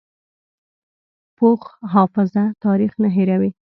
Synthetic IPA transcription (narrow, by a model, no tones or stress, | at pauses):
poxɦɑfɪzat̪ɑɾixnaɦeɾawi